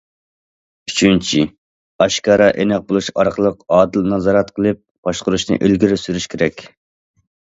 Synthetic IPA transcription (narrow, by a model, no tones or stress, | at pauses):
yt͡ʃʰynt͡ʃʰi | ɑʃkɑːɾɑʔenɛq̚bolˠuʃɑɾqʰəlˠəqɑːd̪ɨlnɑzɑːɾɑt̪qʰəlˠɨp̚b̥ɑʃqʊɾuʃnɨ̰ʔelɡʲiɾɪsyɾyʃkʲʰeɾɛkʲ